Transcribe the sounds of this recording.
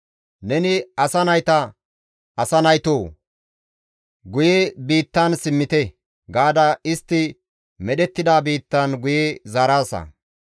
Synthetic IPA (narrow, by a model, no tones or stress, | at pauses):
nɛnɪɐsɐnɐjt̪ɐ | ʔɐsɐnɐjt̪oː | ɡʊjɛbiːt̪ːɐnsɪmːɪt̪ɛ | ɡaːd̪ɐɪst̪ːɪ | mɛɗɛt̪ːɪd̪aːbiːt̪ːɐnɡʊjezaɾaːsɐ̰